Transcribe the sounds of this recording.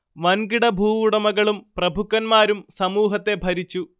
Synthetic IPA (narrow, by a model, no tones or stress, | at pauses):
ʋɐnɡiɽɐbʱuːʋuɽɐmɐɣɐɭumprɐbʱukːɐnmaːɾumsɐmuːɦɐt̪ːe̞bʱɐɾit͡ɕːu